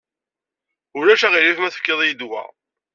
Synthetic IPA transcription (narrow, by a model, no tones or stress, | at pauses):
ʊɾæʃæʁiɾifmæθə̥fkːəðˤjəd̪wæ̰